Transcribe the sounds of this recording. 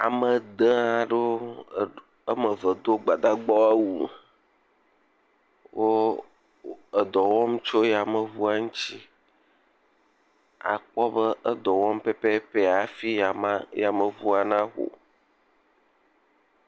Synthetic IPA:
a˨mə˨d̪ə˦a˨ɖo˦ | ə˦mə˨və˨d̪o˦ɡ͡ba˨d̪a˦ɡ͡bɔ˦a˦wu˨ | wo˦ | ə˨d̪ɔ˨wɔ˦m˦t͡ʃo˦ja˨mə˨vu˦a˦ŋũ˦t͡ɕi˦ | a̰˨k͡pɔ˦bə˦ə˦d̪ɔ˨wɔ̃˦mpɛ˦pɛ˦pe˦a˨fi˦a˨mã˦ja˨mə˨vu˦a˨nã˦ɣo̰˨

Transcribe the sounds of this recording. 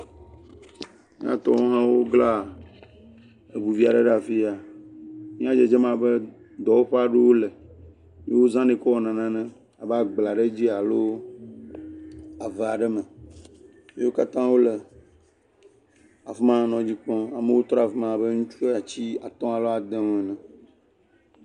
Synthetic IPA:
mĩ˦ã̰˦t̪ɔ̃˦ɦã˦wo˦ɡla˦ | e˨bu˨vi˦a˨ɖe˦ɖa˨fi˦a˨ | mĩ˦ã˦d͡ʒe˦˨d͡ʒɛ˦mã˨be˦ | d̪ɔ˨wo˦ɸe˦a˨ɖe˦wo˦lɛ˨ | m̃˦wo˦zã˦nẽ˨kɔ˦wɔ˨nã˨nã˦nɛ̃˦ | a˨ba˦ɡ͡bla˨ɖe˦d͡ʑi˦a˨lo˦ | a˨ve˨a˨ɖɛ˦mɛ̃˨ | me˦wo˦ka˦t̪ã˦wo˦le˨ | a˨fmã˦˨nɔ̃˨d͡ʑi˦k͡pɔ̃˦a˨mẽ˦wo˦t̪ɾɔ˦a˨fe˦mã˨be˦ŋũ˦t͡ʃu˦e˦a˨t͡ɕi˦a˨t̪ɔ̃˦a˨lo˦a˨d̪ɛ˦ŋ̃˨ɛ˨nɛ̃˨

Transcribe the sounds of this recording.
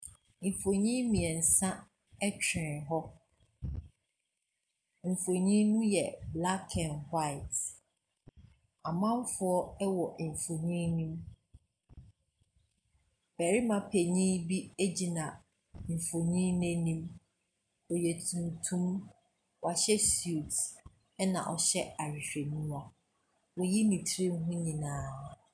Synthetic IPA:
m̩˨fo˨ɲĩ˦mĩ˨ɛ˨n̩˨sã˦ | ɛ˦t͡ɕʰᶣɪ̃˨ɦɔ˦ | m̩˨fo˨ɲĩ˦nũ˦jɛ˨bla˦kʰɛ̃˨nhwa˦ɪ˨t | a˨mã˦m˦fʊ˦ɔ˦ɛ˦wɔ˨fo˨ɲĩ˦nĩ˦m | bæ˨ɾi˦mã˨pʰe˨ɲĩ˦bi˦e˦d͡ʑi˦nã˨ | ɱ̩˨fo˨ɲĩ˦nɛ̃˦nĩ˦m | ɔ˨jɛ˨tʰũ˨m˨tʰũ˦m | wa˨ɕɛ˦su˦˨t | ɛ˦nã̰˨ʔɔ˨ɕɛ˦a˨ɾᶣi˨ɕᶣe˨nũ˦a˦ | wɔ˨ji˦nĩ˨tʰɾĩ˦m˦ɦʊ̃˦ɲĩ˨nãː˨˦˨

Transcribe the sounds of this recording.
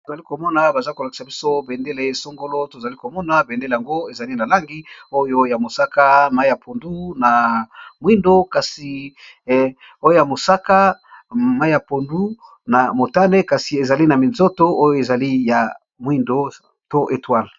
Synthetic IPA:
to˨za˨li˦ko˨mɔ˦na˨ba˨za˦ko˨la˨ki̥˨sa˨bi˦so˦be˨nde˦le˨so˦ŋɡo˦lo˦to˨za˨li˦ko˨mɔ˦na˨be˨nde˦le˨ja˨ŋɡo˦e˨za˨li˦na˨la˦ŋɡi˦o˦jo˦ja˨mo˨sa˦ka˦ma˦i˦ja˨po˨ndu˦na˨mwi˦ndo˦ka˨si˨ | o˦jo˦ja˨mo˨sa˦ka˦ma˦i˦ja˨po˨ndu˦ | na˨mo˨ta˦ne˦ka˨si˨e˨za˨li˦na˨mi˨nzo˦to˦o˦jo˦˨e˨za˨li˦ja˨ | mwi˦ndo˦ | to˦ʔe˨twa˦˨l

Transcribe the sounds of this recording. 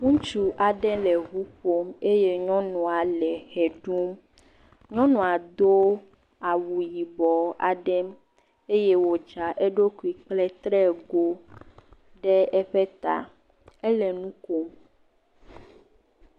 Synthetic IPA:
ŋũ˦t͡ʃu˨ʔa˨ɖɛ˦lɛ˨ɦu˦ɸo˦me˦je˦ɲɔ̃˦nɔ̃˨a˨lɛ˨xɛ˨ɖu˦m | ɲɔ̃˦nɔ̃˨a˨d̪o˦ | a˨wu˨ji˨bɔ˨a˨ɖɛ˦m | e˦je˦wo˨d͡ʒa˨ʔɛ˦ɖo˦ku˨i˨k͡plɛ˦t̪ɾɛ˦ɡo˦ | ɖɛ˦ɛ˦ɸɛ˦t̪a̰˨ | ɛ˦lɛ˨nũ˦ko˦m

